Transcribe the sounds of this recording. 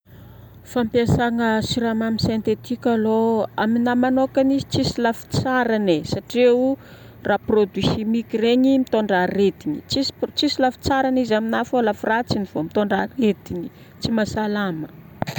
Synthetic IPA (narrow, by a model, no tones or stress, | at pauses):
fampesaŋəsiɾamaminsent̪et̪ikʲaloaminamanokanizi̥t͡sisilafi̥t͡saɾanesaʈ͡ʂeu | rʔaprod̪wisimikireɲimit̪oɳɖ͡ʐaɾed̪init͡sist͡sisilafi̥t͡saɾanizaminafolafurat͡siniv̥omit̪oɳɖ͡ʐared̪ini | t͡simasalamə